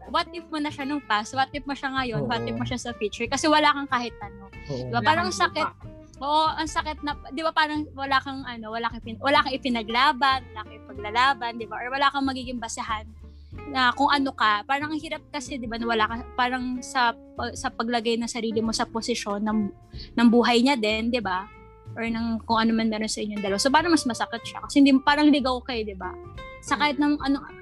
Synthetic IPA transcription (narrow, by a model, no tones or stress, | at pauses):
wat̪ːɪpmonɐʃanɐŋpastwat̪̚ːɪp̚mɐʃaŋɐjo̞nwat̪ɪp̚moʃasɐfiːt͡ʃʊɹkɐsɛwɐlaːkɐŋkaːhɪt̪̚ʔɐno̞d̪ɪbapaːɾɐŋsɐkɪt̪̚ | ʔoːʔoʔɐŋsɐkɪt̪̚nɐpd̪ɪbapaːɾɐŋwɐlakɐŋʔɐno̞wɐlakɐpɪnwɐlaːkɐŋɪpɪnɐɡlaːbɐnwɐlaːkɐŋɪpɐɡ̚lɐlaːbɐnd̪ɪbaʔɐwɐlaːkɐŋmɐɡiːɡɪŋbɐsɐɦanː | ɐkoŋʔɐno̞kɐpaːɾɐŋhiːɾɐp̚kɐsɛd̪ɪbanɐwɐlaːkɐpaːɾɐŋsɐ | pɐsɐpɐɡlɐɡajnɐŋsɐɾiːlɪmo̞sɐposɪʃo̞nːɐŋː | ɐŋbuːɦɐjɲad̪ɛnd̪ɪba | ʔoɹnɐŋkoŋʔɐnomɐnmɛːɾo̞nsɐʔɪɲːoŋd̪ɐlɐwasopaːɾɐŋmɐsmɐsɐkɪt̪̚ʃa̰kɐsɛhɪnd̪impaːɾɐŋlɪɡawkɐjod̪ɪba̰sɐkahɪt̪̚nɐŋʔɐnoŋ